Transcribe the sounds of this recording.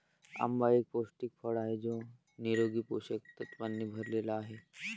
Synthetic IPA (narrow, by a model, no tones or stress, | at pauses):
ɐ̰mbaeːk̚poːsʈɪk̚pʰəɽaːɦɛd͡ʒoː | niɾoːɡipoːʃəkt̪ɐt̪pənːibʱɐɾleːlaɦɛː